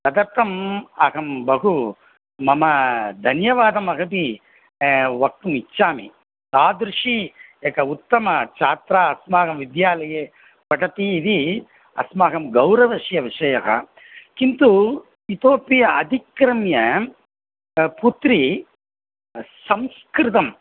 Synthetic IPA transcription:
t̪ɐd̪ɐɾt̪ɐmaːɡɐmbɐɡu | mɐmɐd̪ʱɐnjɐʋaːd̪ɐmɐɡɐpi | ʋɐk̚ʈumit͡ʃːt͡ʃːaːmḭ | t̪aːd̪ɾuʂiekɐut̪ːɐmɐt͡ʃaːt̪ɾaːɐsmaːɡɐmʋid̪jaːlɐjeː | pɐʈɐt̪iːd̪i | ɐ̰smaːɡɐmɡɐwɾɐʋɐʂjɐʋiʂɐjɐɦɐ̰ | kint̪u | it̪oːpijɐɐd̪ʱikɾɐmjɐ | put̪ɾi | sɐmskɾɪt̪ɐm

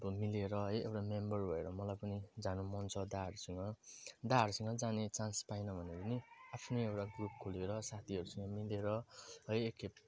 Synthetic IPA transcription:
bʌmileɾʌɦʌjewʈamembʌrbʱʌeɾʌmʌlajpʌnid͡zanumʌnt͡sʰʌd̪aʌɾusʌŋɡʌd̪aʌɾusʌŋɡʌd͡zanet͡sãnspajnʌbʱʌnepʌniapʰnoewʈaɡrup̚kʰoleɾʌsat̪ʰiʌɾusʌŋɡʌmileɾʌɦʌjeke

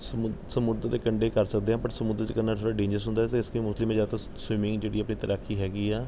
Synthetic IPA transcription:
ssəmʊd̪ɾd̪eːkəɳɖeːkəɾsək̚d̪eːɦãːpəɾsəmʊd̪ɾd̪eːkənːaːlsʰoːɽaːɖẽːɲd͡ʒəɾsʊ̃nd̪aːɛt̪eːɪskəimʊslɪmːẽd͡ʒaːd̪t̪a | swɪmɪ̃ŋɡd͡ʒeːɽiːəpɳiːt̪əɾʔaːkʰːiːɦɛːɡiːɛː

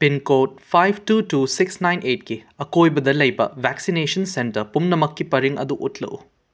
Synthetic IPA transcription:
pinkot̚pʰajbʱtutusiksnajnʔetkiɐkojbɐd̪ɐlɐjbɐ̰bʱɛksinesɐnsentɐɾpumnɐmɐkːipɐɾiŋɐ̰d̪uʔutlɐ̰ʔu

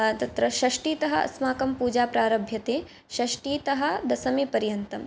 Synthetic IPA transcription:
t̪ɐt̪ɾɐʃɐʂʈiːt̪ɐɦɐɐ̰smaːkɐmpuːd͡ʒaːpɾaːɾɐbʱjɐt̪eː | ʃɐʂʈiːt̪ɐɦɐ̆d̪ɐsɐmipɐɾjɐnt̪ɐm

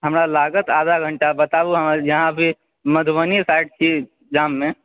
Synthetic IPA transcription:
ɦəmɾalaɡət̪ad̪ʱaɡʱəɳʈabət̪abuɦəmjəɦãbʱi | məd̪ʱʋənisaɪʈt͡ʃʰi | d͡ʒamːẽ

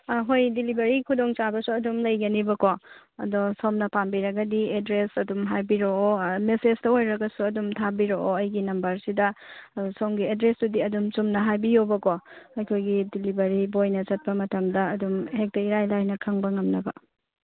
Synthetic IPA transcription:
ɦojdilibɐɾikʰudoŋt͡ʃabɐsuɐdumlɐjɡɐnibɐko | ɐ̰dosomnɐpambiɾɐɡɐdiedɾesɐdumɦajbiɾoomesed͡ʒtɐojɾɐɡɐsuɐdumtʰabiɾoʔoɐjɡinɐmbɐɾsidɐsomɡiedɾesdudiɐdumt͡ʃumnɐɦajbijowbɐkoɐjkʰojɡidilibɐɾibojnɐt͡ʃɐt̚pɐmɐtɐmdɐɐdumhek̚tɐiɾajlajnɐkʰɐŋbɐŋɐmnɐbɐ

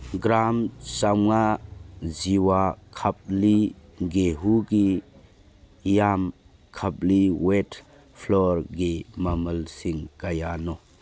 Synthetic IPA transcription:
ɡɾamsawŋa | ziwakʰap̚liɡeɦuɡi | jam | kʰap̚liwet | pʰlɔɾɡimɐməlsiŋkajanɔ

